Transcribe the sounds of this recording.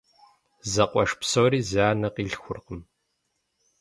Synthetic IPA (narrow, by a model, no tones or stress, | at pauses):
zɐqʷʼɔʂpsowɾiːzaːnɐqiːɮxʷʊrqəm